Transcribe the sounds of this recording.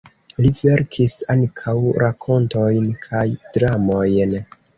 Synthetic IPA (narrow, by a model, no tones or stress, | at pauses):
live̞ɾkʰisaŋkʰawɾʔakʰo̞nto̞jnkʰajd̥ɾamo̞jn